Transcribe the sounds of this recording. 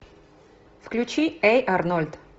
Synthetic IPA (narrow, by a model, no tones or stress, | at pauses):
fklʲʉt͡ɕiɛjʔaɾnɔlʲt̪